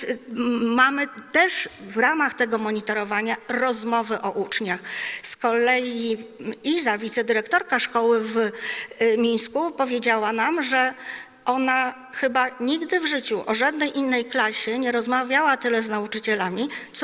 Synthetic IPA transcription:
mːamɘt̪ɛʂvɾamaxt̪ɛɡɔmɔɲit̪ɔɾɔvaɲaɾɔzmɔvɘʔɔʔut͡ʂɲaxskɔlɛjiizavʲit̪sɛd̪ɘɾɛkt̪ɔɾkaʂkɔwɘv | mʲij̃skupɔvʲjed͡ʑawanamʐɛ | ʔɔna | xɘbaɲiɡd̪ɘvʐɘt͡ɕuʔɔʐad̪̚nɛjʔinːɛjklaɕɛɲɛɾɔzmavʲjawat̪ɘlɛznaut͡ʂɘt͡ɕɛlamʲit̪s

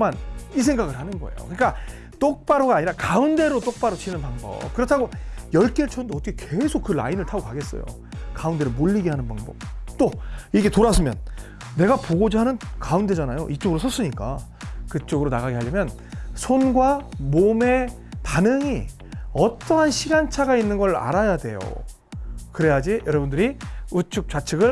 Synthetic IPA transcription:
manisʰe̞ŋɡaɡɯɭhanɯnɡʌḛjo̰kɯɲik͈a | t͈ok̚p͈aɾoɡaːɲiɾakaunde̞ɾot͈ok̚p͈aɾot͡ɕinɯnpaŋbʌ̰p̚kɯɾʌtʰaɡojʌɭk͈eɭt͡ɕʰondoʌtʰʌkʰeke̞sʰok͈ːɯla̰inɯɭtʰaɡokaɡe̞s͈ʌ̰jo̰ | kaunde̞ɾomoʎːiɡeɦanɯnpaŋbʌp̚t͈oiɡe̞toɾasʰɯmjʌ̰nː | e̞ɡapoɡod͡ʑiɦanɯnkaunde̞d͡ʑanajoʔit͡ɕ͈oɡɯɾosʰʌs͈ɯɲik͈a | kɯt͡ɕ͈oɡɯɾonaɣaɡeɦaʎːimjʌn | sʰonɡwamome̞ | tanɯŋi | ʌt͈ʌɦanɕʰiɡant͡ɕʰaɡainːɯnɡʌɾa̰ɾajadwe̞̰jo̰ | kɯɾe̞jad͡ʑijʌɾʌbundɯɾiut͡ɕʰuk̚t͡ɕ͈at͡ɕʰɯɡɯɭ

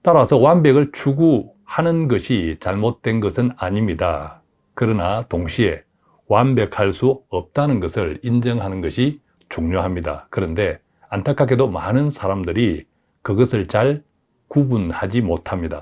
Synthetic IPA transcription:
t͈aɾasʰʌwanbe̞ɡɯɭt͡ɕʰuɡu | hanɯnɡʌɕʰit͡ɕaɭmot̚t͈we̞nɡʌsʰɯnaɲimɲida | kɯɾʌnatoŋɕʰie̞ | wanbe̞k̚haɭs͈uʌp̚t͈anɯnɡʌsʰɯɭind͡ʑʌŋɦanɯnɡʌɕʰi | t͡ɕuŋɲoɦamɲida̰kɯɾʌnde̞ | antʰakʰaɡedomanɯnsʰaɾamdɯɾi | kɯɡʌsʰɯɭt͡ɕaɭ | kubunhad͡ʑimotʰamɲida̰

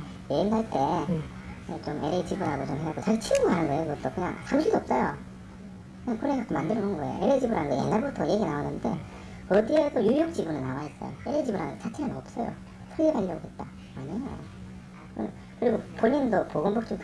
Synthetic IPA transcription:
jeindaɭt͈e̞ | et͡ɕomʔeɾed͡ʑibɯɾaɡot͡ɕomɦeakɡot͡ɕaɡit͡ɕʰiɡuɦanɯnɡʌejokɯɡʌt͈okɯɲa̰ŋhamɕʰiɭdoʌp̚s͈ʌjo | kɯɲaŋkoɾekak͈ʰomandɯɾʌnɯɯnɡʌḛjo̰ʔeɾed͡ʑibɯɾɦanɯnɡʌjḛnːaɭbuotʰʌjeɡinawonːɯnde̞̰ | ʌdiedojujok̚t͡ɕ͈ibunɯnawais͈ʌ̰jo̰eɾed͡ʑibuɾɦanɯɡet͡ɕatʰeɡannʌp̚s͈ʌjo̰ | sʰʌɭɡeɡaiʎːʌɡoɦe̞t̚t͈a | maɲejo̰ | ɯnn | kɯɾiɡopoɲindopoɡombok̚t͡ɕ͈om

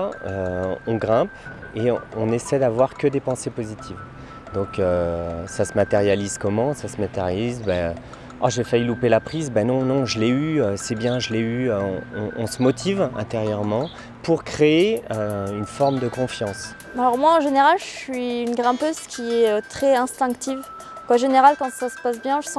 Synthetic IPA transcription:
øɔ̃ɡʁɛ̃p | eɔ̃nesɛd̪avwaʁkəd̪epɑ̃sepozit̪ʰiv | d̪ɔ̃køsasəmat̪eʁjalizkɔmɑ̃sasəmat̪eʁjaalizbɛø | a̰ʒefaylupelapχizbɛnɔ̃nɔ̃ʒəleyøsɛbjɛ̃ʒəleyøɔ̰̃ɔ̃ɔ̃səmɔt̪ʰivɛ̰̃t̪eʁjœʁmɑ̃ | puʁkχeeøynfɔʁmd̪əkɔ̃fjɑ̃s | alɔʁmwaɑ̃ʒeneʁalʒəʃɥiynɡʁɛ̃pøzkʲʰiɛøt̪χɛɛ̃st̪ɛ̃kt̪iv | kwaʒeneʁalkɑ̃sasə̥pas̬bjɛ̃ʒəsɑ̃

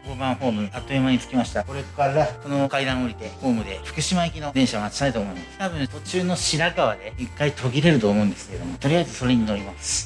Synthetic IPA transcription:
koːbãɰ̃ɸo̞ːmɯ̟at̪ːoemaɲ̟it͡sɨ̥kʲimaɕi̥t̪ako̞ɾekkaɾaso̞no̞kaid̪ãɰ̃o̞ɾʲit̪e̞ɸo̞ːmɯ̟d̪e̞ɸɯ̟̥kɯ̟ɕimaekʲino̞d̪ẽ̞ɰ̃ɕaomat͡ɕi̥t̪ait̪oːmoɯ̟nd̪est̪aβɯ̃t̪ot͡ɕɨːno̞ɕiɾakaβad̪e̞ikːait̪ʰo̞ɡʲiɾe̞ɾɯ̟t̪o̞ːmo̞ɯ̟nd̪e̞sɨ̥keeomo̞t̪o̞ɾʲijaizɨso̞ɾe̞ɲ̟ino̞ɾʲimasɨ̥

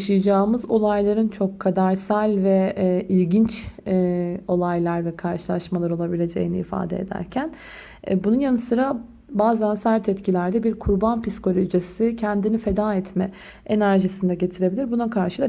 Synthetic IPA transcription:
ʃɯjɯd͡ʒaːɯmɯzo̞lˠajlˠaɾɯnt͡ʃʰo̞kʰːad̪aɾsælʲvɛʔilʲɟint͡ʃɛo̞lˠajlˠaɾvɛkʰaɾʃɯ̥lˠaʃmalˠaɾolˠabilʲe̞d͡ʒe̞̰jinḭːfa̰ːd̪ɛ̰ed̪æ̰ɾcʰæn | bununjanɯsɯɾa | baːzænsæɾt̪ʰɛt̪cʰilʲæɾd̪ɛbiɾkʰuɾbanpisko̞lʲoʒesicʰɛnd̪inife̞d̪aːɛt̪ʰmɛ | enæɾʒisind̪ɛɟe̞t̪ʰiɾe̞bilʲiɾbunakʰaɾʃɯd̪a

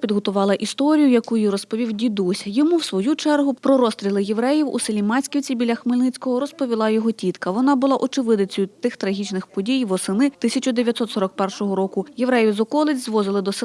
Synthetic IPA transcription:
pʲid̪ɦɔt̪ʊʋɑlˠɐʔist̪ɔɾʲijʊjɐkujirɔspɔʋʲiwdʲid̪usʲjɔmuwsʋɔjut͡ʃɛrɦʊpɾɔɾɔst̪ɾʲilˠɪjeʋɾɛjiwṵsɪlʲimɑsʲkʲiwt͡sʲibʲilʲɐxmɪlʲnɪt͡sʲkɔɦɔɾɔspɔʋʲilˠɑjɔɦɔtʲit̪kɐʋɔnɑbʊlˠɑʔɔt͡ʃɪʋɪd̪ɐt͡sʲɔjʊt̪ɪxt̪ɾɐɦʲit͡ʃnɪxpɔdʲijʋɔsɪnɪt̪ɪsʲɐt͡ʃʊd̪eʋʲjɐt̪sɔt̪sɔɾɔk̚pɛrʃɔɦɔɾɔkʊjeʋɾɛjʋzɔkɔlˠɪt͡sʲzʋɔzɪlˠɪd̪ɔs

